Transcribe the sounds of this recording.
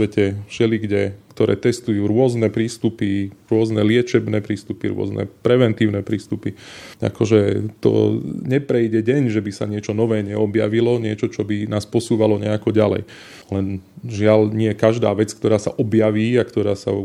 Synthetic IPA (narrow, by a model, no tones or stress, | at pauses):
ʋɛcɛfʃɛliɡɟɛkt̪ɔɾɛ̰ːt̪ɛst̪ujuːɾʊɔznɛpɾiːst̪upiɾʊɔznɛlɪɛt͡ʃɛbnɛːpɾiːst̪upiɾʊɔ̰znɛ̰pɾɛʋɛnt̪iːʊnɛːpɾiːst̪upia̰kɔʒɛt̪ɔ̰ɲɛpɾɛjɟɛɟɛɲʒɛbisa̰ɲɪɛt͡ʃɔnɔʋɛːɲɛɔbja̰ʋilɔɲɪɛt͡ʃɔt͡ʃɔbinaːspɔsuːʋalɔɲɛakɔɟalɛ̰j | lɛnʒɪalɲɪɛkaʒd̪a̰ːʋɛt͡skt̪ɔɾaːsa̰ʔɔbjaʋiːakt̪ɔɾaːsa̰